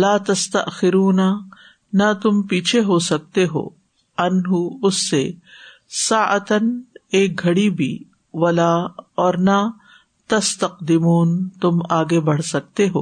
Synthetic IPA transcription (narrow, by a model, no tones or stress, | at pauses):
laːt̪ɐst̪ɐʔxɪɾuːna | nɐt̪ʊmpiːt͡ʃʰeɦosɐk̚t̪eɦo̰ː | ɐnɦuʊsːe | saːʔɐt̪ɐneːk̚ɡʱɐɽibʱḭː | ʋwɐlaːɔːɾna | t̪ɐst̪ɐqd̪ɪmuːnt̪ʊmaːɡebɐɽ̤sɐk̚t̪eɦo̰ː